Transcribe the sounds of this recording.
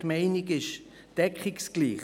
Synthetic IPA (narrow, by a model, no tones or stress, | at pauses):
maɪnɪkɪʃ | d̥ɛkχɪksɡ̥liːχ